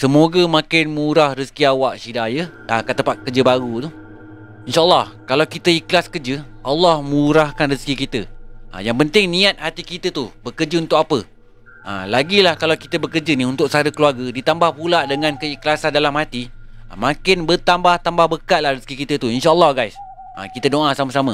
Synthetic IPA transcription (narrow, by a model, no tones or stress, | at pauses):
səmoɡəmãkɪnməuɾahrisə̥kiawaʔʃidajə | akat̪ːəpat̪̚kərd͡ʒəbaɾut̪u | inʃaʔlːɑhkalawkit̪əiklaskəd͡ʒəʔɑlːɑhməuɾahkanriskikit̪əə̰jaŋpənt̪ɪŋnĩat̪̚hat̪ikit̪ət̪ubəkərd͡ʒəunt̪ʊʔk̚apə | ə̰laɡilahkalawkit̪əbəkərd͡ʒəniunt̪ʊk̚səaɾəkəluarɡədit̪ambahpulaʔdəŋãnkəiklasandalamɦat̪imãkɪnbət̪ambaht̪ambahbəkaʔ̪̚lahrisə̥kikit̪ət̪uinʃaəlˠˤːɑhɡajs | ə̰kit̪ədoʔasamasama